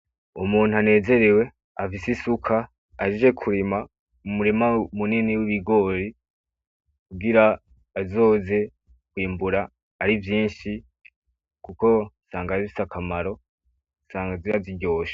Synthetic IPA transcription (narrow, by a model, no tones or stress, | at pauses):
umuːn̥uane̞ːze̞ɾewe̞ | afisisukʰaː | ʒid͡ʒe̞kʰuɾima | mumuɾimamuniniwiβiɡo̞ːɾi | kuɡiɾaː | zo̞ːze̞ | kwiːmbuɾaː | ɾivjiːnʃi | kuko̞saːŋɡaifi̥sakʰamaɾo̞ | saːŋɡaziɾaziɟo̞ːʃḁ